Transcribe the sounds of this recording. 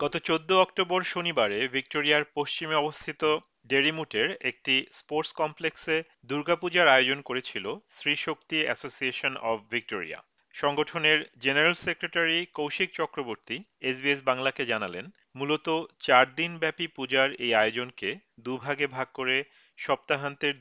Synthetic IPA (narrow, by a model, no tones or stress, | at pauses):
ɡ̥ɔt̪ot͡ɕod̪ːoɔk̚ʈoboɾʃonibaɾevʱik̚ʈoɾiaɾpost͡ɕimeɔbost̪ʰit̪o | ɖeɾimuʈeɾek̚ʈispoɾʈskɔmplekse | d̪uɾɡapud͡ʑaɾaeod͡ʑonkoɾet͡ɕʰilosɾiʃokt̪iɛ̰sosieʃonɔbʰːik̚ʈoɾḭa̰ | ʃɔŋɡoʈʰoneɾd͡ʑeneɾalsekɾeʈaɾikowʃik̚t͡ɕɔkɾoboɾt̪i | es̬biesbaŋlaked͡ʑanalen | mulot̪ot͡ɕaɾd̪inbɛpipud͡ʑaɾejajod͡ʑonke | d̪ubʱaɡebʱaɡ̚koɾe | ʃɔp̚t̪aɦant̪eɾ